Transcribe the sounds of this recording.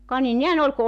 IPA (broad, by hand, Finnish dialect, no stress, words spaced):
kɑ ni nehæn ol ku